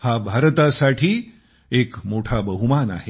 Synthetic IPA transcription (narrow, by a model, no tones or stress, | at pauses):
habʱaɾət̪asaʈʰiː | ekmoʈʰabəɦumana̰ɦe